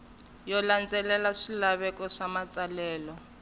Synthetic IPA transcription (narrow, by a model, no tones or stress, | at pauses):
jɔland͡zɛlɛlaʂilaβɛkɔʂamat͡salɛːlɔ